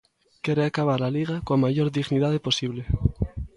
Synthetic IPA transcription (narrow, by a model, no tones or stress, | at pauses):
kjeɾeakaβ̞aɾlaliɣakomaʝo̞ɾðiɣniðaðeposiβle